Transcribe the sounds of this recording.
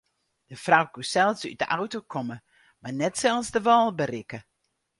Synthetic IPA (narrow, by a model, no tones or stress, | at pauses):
d̥əfrawkusɛlˠsy̰dəʔawtokʰɔmə | manɛtsɛlˠsdəʋɑlˠbərɪkə